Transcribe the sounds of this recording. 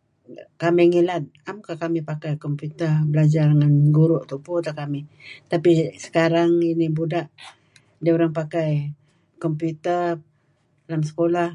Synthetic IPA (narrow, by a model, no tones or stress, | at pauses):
kamɪŋilat̪̚amkahkamipakajkɔmput̪əbəlad͡ʒarŋanɡuɾʊʔt̪uput̪akamit̪apisə̥kaɾaŋinibudaʔ | dioɾaŋpakaj | kɔmpjut̪ər | lamsə̥kolah